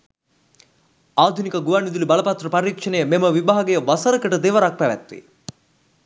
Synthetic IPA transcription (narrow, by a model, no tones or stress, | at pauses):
aːd̪ʱunikəɡuʋanid̪ulibɐlɐpɐt̪rəpɐɾikʂənejəmeməʋibaɦɐɡejəʋɐsɐɾəkəʈəd̪eʋɐɾak̚pæʋæ̰t̪ːʋḭ